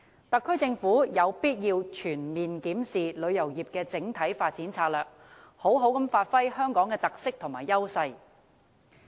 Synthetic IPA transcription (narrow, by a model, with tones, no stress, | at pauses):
t̪ɐ˨kʰːɵ˥ɥt͡sɪ˧ŋfuː˨˥jɐ˨˧wpiː˥t̚jiː˧wt͡ʃʰyː˨˩nmiː˨nkiː˨˥msiː˨lɵ˨˧ɥjɐ˨˩wjiː˨˩p̚kɛː˧t͡sɪ˨˥ŋt̪ʰɐ˨˥jfaː˧t̚t͡siː˨˥nt͡sʰaː˧k̚lœː˨˩k̚ | ho˨˥wɦo˨˥wkɐ˨˧mfaː˧t̚fɐ˥jhœː˥ŋkɔː˨˥ŋkɛː˧t̪ɐ˨k̚sɪ˥k̚t̪ʰʊ˨˩ŋmaː˨˩jːɐ˥wsɐ˧j